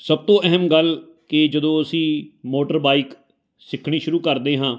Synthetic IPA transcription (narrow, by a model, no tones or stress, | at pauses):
səb̚t̪õːʔɛɦəmɡəl | kɪd͡ʒəd̪õːəsĩːmoːʈəɾbaːik | sɪkʰɽ̃iːʃʊɾuːkəɾd̪eːɦãː